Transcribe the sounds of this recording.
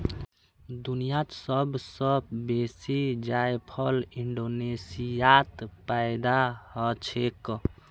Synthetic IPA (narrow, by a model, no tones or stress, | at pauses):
d̪unijat̪səbsəbesid͡ʒajpʰəliɳɖonesijat̪paɪd̪ahɔt͡ʃʰek